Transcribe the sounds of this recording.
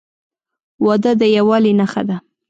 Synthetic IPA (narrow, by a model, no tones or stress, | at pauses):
wɑd̪əd̪əjawɑlinaxa̰d̪a